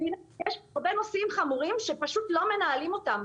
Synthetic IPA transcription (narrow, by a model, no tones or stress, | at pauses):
injeʃaʁbe̞no̞simχamuʁimʃe̞paʃut̪lo̞me̞naːlimo̞tam